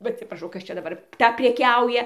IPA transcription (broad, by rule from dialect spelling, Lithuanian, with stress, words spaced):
ˈʋɐ ɐtʲsʲɪprɐˈʃɐʊ ˈkɐs t͡ʃʲɛ dɐˈbɐr ˈtɐ pʲrʲɛˈkʲɛʊjɛ